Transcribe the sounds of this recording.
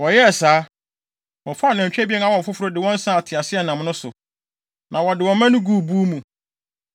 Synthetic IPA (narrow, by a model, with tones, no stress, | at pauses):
wɔ˨jɛ˦˨saː˦ | wɔ̃˨fʊ˦a˨nɛ̃˨ɲ˨t͡ɕᶣɛ˦bi˦ɛ˦na˦wɔ̃˨fʊ˦fʊ˦ɾo˦dɪ˨wɔ̃˦n̩˦sã˦a˨tʰɪ˨a˨sɪ˦ɛ˦nã˨mnʊ̃˦sʊ˨ | nʔã˨wɔ˨dɪ˨wɔ̃˨˦mã˦nʊ̃˦ɡu˦˨bu˦mũ˨